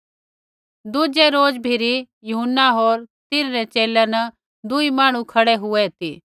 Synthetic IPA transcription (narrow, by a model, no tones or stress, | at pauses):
d̪ʊd͡ʒɛɾoːd͡ʒbʱiɾi | jʊɦʊnːaɦoːɾt̪ɪnɾɛt͡ʃeːlɛnə | d̪ʊimaːɽ̃ũkʰɐɽɛɦʊɛt̪ḭː